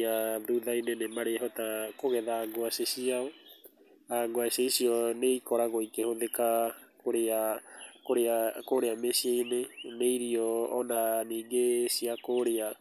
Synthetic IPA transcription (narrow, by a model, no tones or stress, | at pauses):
aðuðainenemaɾeaɦɔtakoɣɛðaːŋɡoasesiaɔ | aŋɡoaseisiɔneikɔɾaɣɔikehoðekakoɾeakoɾeakoɾeamesiaineneiɾiɔːnaniːɡesiakoɾea